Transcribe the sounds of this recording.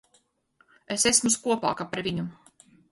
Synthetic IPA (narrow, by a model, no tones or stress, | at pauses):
esesmuskuɔpa̰ːkapaɾvʲiɲu